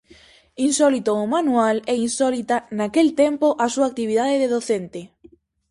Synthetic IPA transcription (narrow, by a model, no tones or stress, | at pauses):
insɔlit̪oːmanualɛinsɔlit̪anakelt̪empoʔasuak̚t̪iβ̞iðaðeðeðoθent̪e